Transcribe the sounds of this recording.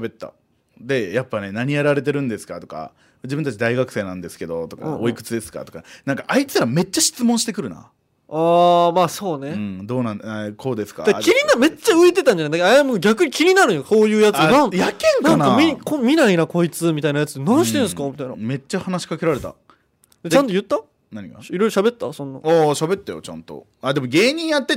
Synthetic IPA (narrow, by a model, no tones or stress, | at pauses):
ɕabe̞t̪ːa̰ | d̪e̞japːane̞naɲ̟ijaɾaɾe̞t̪̬e̞ɾɯ̟̃nd̪e̞sɨ̥kat̪o̞ka̰ | d͡ʑibɯ̃nt̪at͡ɕid̪aiɡakɯ̟̥se̞ːnãnd̪e̞sɨ̥ke̞d̪o̞t̪o̞ka̰oikɯ̟t͡sɨd̪e̞sɨ̥ka̰t̪o̞kanãŋkaʔait͡sɨ̥ɾame̞t͡ɕːaɕi̥t͡sɨmõɕi̥t̪e̞kɯ̟ɾɯ̟na̰ | aːmaːso̞ːneɯ̃d̪o̞ːnãnkʰo̞ːd̪e̞sɨ̥ka̰d̪akʲiɲʲiname̞t͡ɕaɯ̟it̪e̞t̪ãɲd͡ʑanad̪akaajamɯ̟ɡaɡʲakɯ̟ɲ̟ikʲiɲʲinaɾɯ̟̃joso̞ːjɯ̟ːjat͡sɨnãnjakẽŋnkaŋnamʲiikõmʲinainako̞it͡sɨmʲit̪ainajat͡sɨ̥t̪ːenãɲɕi̥t̪ẽñsɨ̥kamʲit̪ain̰me̞t͡ɕːahanaɕi̥kake̞ɾaɾe̞t̪a̰ | d̪et͡ɕãnt̪o̞jɯ̟t̪ːa | naɲ̟iɡa̰iɾo̞ijɾo̞ɕabe̞t̪ːasõ̞nːa̰aːɕabe̞t̪ːajo̰t͡ɕã̰nt̪o̞̰ | aːd̪e̞mo̞ɡe̞ːɲ̟ĩɰ̃jat̪ːe̞